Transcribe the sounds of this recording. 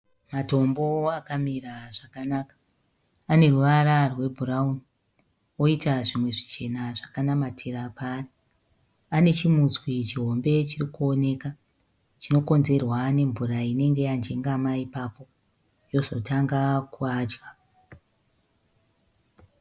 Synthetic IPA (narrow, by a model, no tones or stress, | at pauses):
mato̞mbo̞akamiraʐakanakḁː | ne̞ruʋaɾarwe̞bʱurauni | o̞itaʐimwe̞ʐit͡ʃe̞naʐakanamatʰeɾapari | ane̞t͡ʃimut͡swit͡ʃiɦo̞mbe̞t͡ʃirikuo̞ne̞ːka | t͡ʃino̞ko̞nze̞rwane̞ɱvuɾaine̞ŋɡe̞jand͡ʒe̞ŋɡamaipapo̞ | jo̞zo̞taŋɡakuad͡ʒɡa